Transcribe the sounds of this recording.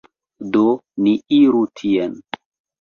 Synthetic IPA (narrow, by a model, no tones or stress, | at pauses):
doniiɾutʰien